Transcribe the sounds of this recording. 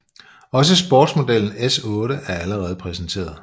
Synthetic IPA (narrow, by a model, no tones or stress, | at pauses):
ɒ̽s̬əsb̥ɒ̰ːd̥smo̝d̥el̰n̩esɔ̽ːɾ̥əʔæɐæləʁɛːð̞̩ˠəpʰʁɛsn̩t͡sʰe̝̰ːɐð̞ˠ